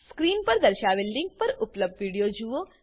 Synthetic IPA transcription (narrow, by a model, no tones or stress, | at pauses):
skɾiːnpɐɾd̪ɐɾʃaːbɪlɖɪŋɡ̚pɐɾʊpləb̚d̪ʋiːɽijod͡ʒuo